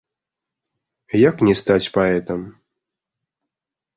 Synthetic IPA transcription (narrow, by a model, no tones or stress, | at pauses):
jaknʲɛst̪at͡sʲpaɛt̪ɐm